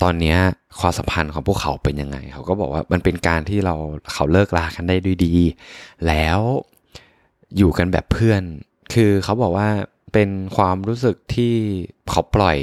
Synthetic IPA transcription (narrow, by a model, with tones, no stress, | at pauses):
t̪ɔː˧nːi˦˥ɐ | kʰwaː˧msa̰˨˦mpʰa˧nkʰɔː˩˦ŋpʰu˥˩kʰːa̰˩˦wpe˧nja˧ŋːa̰˧jkʰa˦˥wkɔː˥˩bɔː˨˩k̚waː˥˩ma˧npe˧nkaː˧nt̪ʰiː˥˩ɾa˧wkʰa˨˩˦wlɤː˥˩k̚laː˧ka˧ndaː˥˩jdu˧˩˨jdiː˧lɛː˦˥w | juː˨˩ka˧nbɛː˨˩pʰːɯ˥˩ən | kʰɯː˧kʰa˦˥wbɔː˨˩k̚waː˥˩ | pe˧nkʰwaː˧mɾuː˦˥sɯ˨˩k̚t̪ʰiː˥˩kʰa˦˥wplɔ˨˩j